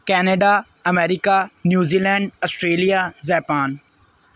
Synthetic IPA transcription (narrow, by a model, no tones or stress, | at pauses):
kɛːneɖa | ɐmeːɾikanjuːziːlɛ̃ːɳɖɔsʈɾeːlijazɛːpaːn